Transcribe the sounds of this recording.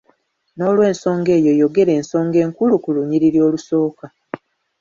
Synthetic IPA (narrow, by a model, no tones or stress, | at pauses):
no̞ːlwe̞ːnso̞ːŋɡe̞ːjo̞jo̞ɡe̞ɾe̞ːnso̞ːŋɡe̞ːŋkulukuluɲiɾiɾjo̞ːluso̞ːka